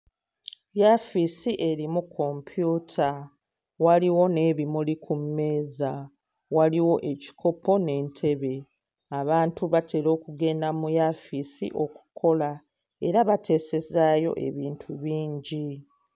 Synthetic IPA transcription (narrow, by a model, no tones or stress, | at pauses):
jafisiʔe̞ɾimukʰːo̞mpʰjuːtʰa | waliwo̞ne̞ːβimulikumːe̞ːza | waliwo̞ʔe̞ci̥kʰo̞po̞ne̞ːntʰe̞βe̞ | aβaːntuβatʰe̞ːɾo̞ːkuɡe̞ːndamujafisḭʔo̞ku̥kʰo̞la | e̞ɾaβatʰe̞ːse̞zaːjo̞̰ʔe̞̰βiːntʰuβiːɲɟi